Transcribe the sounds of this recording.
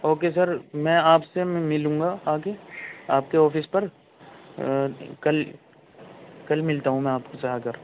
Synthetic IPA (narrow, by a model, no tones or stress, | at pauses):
ɦoːkes̬ɐɾmɛ̃ːaːpsemɪlũːŋɡaaːkeaːp̚keɔːfɪspɐɾ | kɐl | kɐlmɪlt̪aɦũmɛ̃aːpkot͡ʃɐɦakɐɾ